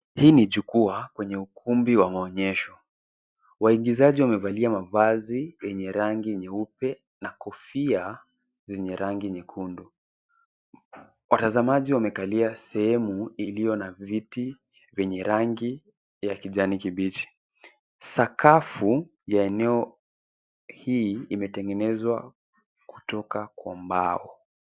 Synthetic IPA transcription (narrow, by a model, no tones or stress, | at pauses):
hiːniʄukuakwɛɲɛukʰumbiwamaɔɲɛʃɔ | waiɡizaʄiwamɛvaliamavazijɛɲɛɾaŋɡiɛɲɛupɛ | nakɔfia | zɛɲɛɾaŋɡiɛɲɛkʰundu | watazamaʄiwamɛkaliasɛhɛmuilijɔnaviti | vɛɲɛɾaŋɡi | jakiʄanikiɓit͡ʃi̥ | sakafu | jaɛnɛɔ | hiimɛtɛŋɡɛnɛzwa | ku̥tɔkakwambaɔ